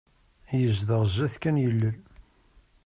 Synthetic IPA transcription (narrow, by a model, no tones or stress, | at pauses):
jəzðəʁzæθkænjəlːəl